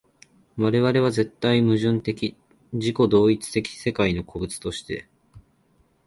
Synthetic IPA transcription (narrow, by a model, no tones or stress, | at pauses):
βaɾe̞βaɾe̞β̞aze̞t̪ːaimɯ̟ʑɨ̃nt̪e̞kʲi | d͡ʑiko̞d̪o̞ːit͡sɨ̥t̪e̞kʲi̥se̞kaino̞kʰo̞bɯ̟t͡sɨ̥t̪o̞ɕi̥t̪e̞